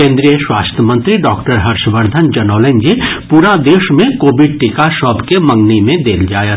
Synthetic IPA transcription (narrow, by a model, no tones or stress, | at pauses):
kẽːnd̪ɾijəʃwaːst̪ʰjəmə̃nt̪ɾiɖɔːkʈəɾɦɐɾʃʋəɾd̪ʱənd͡ʒɐnɔːlẽnd͡ʒepuːɾad̪eːʃmẽkoːbɪɖ̚ʈɪkaʃɔːbkemɐ̃ŋɡnimẽd̪eːld͡ʒaːjət̪